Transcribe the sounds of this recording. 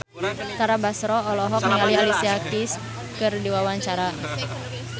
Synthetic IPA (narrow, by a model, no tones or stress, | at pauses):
t̪aɾabasɾɔːlɔɦɔk̚niŋalialisiakis | kɨrdiwawaɲt͡ʃaɾa